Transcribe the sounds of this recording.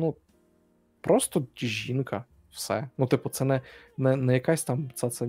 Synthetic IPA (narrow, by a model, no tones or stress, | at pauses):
nu | pɾɔst̪ɔdʲiʑʲinkɐ | wsɛnut̪ɪpʊt̪sɛnɛnɛnɛjɐkasʲt̪amt̪sat̪sɛ